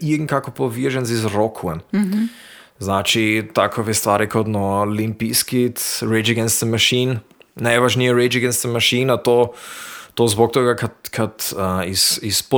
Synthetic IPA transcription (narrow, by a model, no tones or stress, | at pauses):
iŋ̩kakɔpɔʋiʒɛnzizɾɔkʰuɛn | znaːt͡ʃit̪akʰɔʋɛst̪ʋaːɾikʰɔt̪nɔlimpiskit̪ɾɛt͡ʃɛɡɛnst̪ɛnmaʃiːn | nɛʋaʃniɛɾɛt͡ʃɛɡɛnst̪ɛnmaʃiːnat̪o | t̪ozbɔk̚t̪oːɡakat̪kʰat̪əisispɔ